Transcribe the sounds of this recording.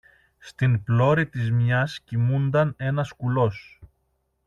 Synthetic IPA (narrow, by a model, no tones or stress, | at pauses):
st̪inplo̞ɾit̪izmɲɐscimund̪ɐne̞nɐskulo̞s